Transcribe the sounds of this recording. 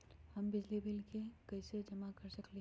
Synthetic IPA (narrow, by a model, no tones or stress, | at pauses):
həmbɪd͡ʒlibɪlkekɐɪsed͡ʒɐmakəɾsəkle